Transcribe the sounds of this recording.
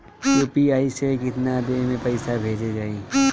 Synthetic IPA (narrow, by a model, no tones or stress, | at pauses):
juːpiaːisekɪt̪nad̪emẽpɐɪsabʱeːd͡ʒed͡ʒaːiː